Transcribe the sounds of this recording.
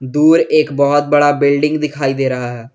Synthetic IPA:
d̪uːɾeːkbɔːɔt̪̚bəɽaːbɪlɖɪ̃ŋɡd̪ɪkʰaːid̪eːɾəɦaɦɛː

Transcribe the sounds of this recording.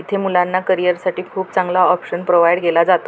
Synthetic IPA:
it̪ʰemulanːakəɾijəɾsaʈiːkʰuːpt͡sãŋɡlaɔpɕənpɾoʋajɽɡelad͡zat̪o

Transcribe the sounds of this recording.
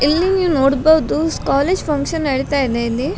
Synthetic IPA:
ilːiniʋnoːɽbɐːʋd̪uskaːleːd͡ʒpʰɐŋkʂɐnɐɽit̪aːjid̪eli

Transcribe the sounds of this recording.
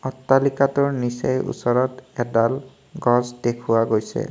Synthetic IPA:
ɔtːalikatʊɹnisejṵsɔɹɔtɛdal | ɡɔzdekʰʊwaɡojsɛ̰

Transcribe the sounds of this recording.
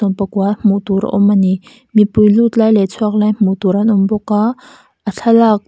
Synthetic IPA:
ʊnpəkuam̥uʔt̪uɾa̰ʔɔmːani | mipujlut̪lajlɛt͡sʰuɐk̚lajm̥ut̪uɾɐnʔʊmbɔkːa | ʔəɬʰalak̚

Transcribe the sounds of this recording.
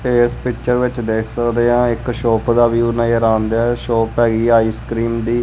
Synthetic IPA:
eːspɪkt͡ʃəɾʋɪt͡ʃd̪eːkʰsəkd̪eːãːɪkʃɔːpd̪aːʋiuʊnãːiəɾaːnd̪aːʃɔːpɦɛːɡiːaːiːskɾiːmd̪iː

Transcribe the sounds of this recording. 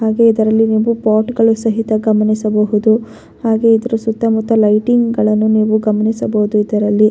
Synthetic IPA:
haːɡe̞id̪ɐɾɐlːiniːʋupaːʈɡɐɭusɐɦit̪ɐɡɐmɐnisɐbɐɦud̪u | haːɡe̞id̪ɐɾusut̪ːɐmut̪ːɐlɐjʈiŋɡɡɐɭɐnːuniːʋuɡɐmɐnisɐbɐɦud̪uid̪ɐɾɐlːi

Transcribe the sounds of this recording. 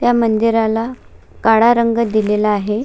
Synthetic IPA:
t̪jamənd̪iɾala | kaɽaɾəŋɡəd̪ilelaːɦe

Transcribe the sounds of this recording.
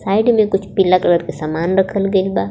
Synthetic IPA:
saːɪɖmẽkʊt͡ʃʰpilakɐləɾkesaːmaːnɾɐkʰəlɡɐɪlbaː

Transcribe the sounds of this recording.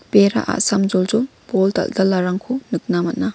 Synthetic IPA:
peɾa̰ʔa̰samd͡ʒɔld͡ʒɔlpɔlta̰ldalːaɾaŋkʰunɯk̚namɐt̚na

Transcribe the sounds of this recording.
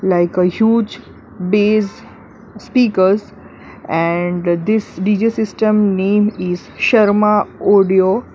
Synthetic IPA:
laɪkəhjuːd͡ʒ | beːz | spiːkəɾz | ɛ̃ɳd̪ɪsɖid͡ʒisɪsʈə̃mnẽːmizʃɐɾmaɔɖio

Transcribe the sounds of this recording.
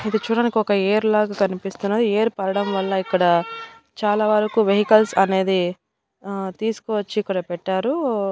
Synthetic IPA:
id̪it͡ʃuːɽaːnikiɔkɐeːɾlaːɡakɐnipist̪unːad̪ieːɾpɐɾɐɽɐmʋɐɭːɐikːɐɽɐ | t͡ʃaːlaːʋɐɾɐkuʋeɦikɐlsɐne̞ːd̪i | t̪iːsu̥kɔːʋɐt͡ʃːiːkːɐɽapɛʈːaːɾu

